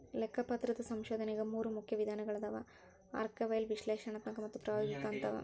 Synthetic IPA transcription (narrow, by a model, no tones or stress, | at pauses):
lɛkʰːɐpɐt̪ɾɐd̪ɐsɐmʃoːd̪ʱɐnɛɡɐmuːɾumukʰjɐʋid̪ʱaːnɐɡɐɭɐd̪ɐʋɐ̰ | a̰ːɾkɐʋɐjlʋiʃleːʃɐɳɐt̪ɐŋkɐmɐt̪ːupɾɐːjoːɡikaːnt̪ɐʋɐ̰